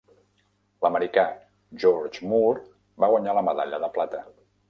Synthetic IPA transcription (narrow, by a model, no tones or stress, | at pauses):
ləməɾika | ʒɔɾd͡ʒmuɾ | baɣwaɲaləməðaʎəðəplat̪ə